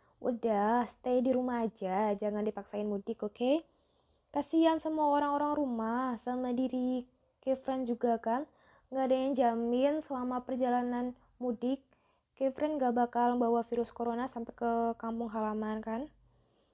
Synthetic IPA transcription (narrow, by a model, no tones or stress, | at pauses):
ṵdahsə̥t̪ediɾumahːd͡ʒad͡ʒaŋandipaksaɪnmudɪkoke | kasiansəmuaoɾaŋoɾaŋɾumahsamadiɾi | kefɾɛnd͡ʒuɡakan | ŋɡaːdaɲand͡ʒamɪnsəlamapərd͡ʒalanan | mudɪkː | efɾʔɛnŋɡabakalməmbawafiɾʊskoɾonasampakəkampʊŋɦalamankan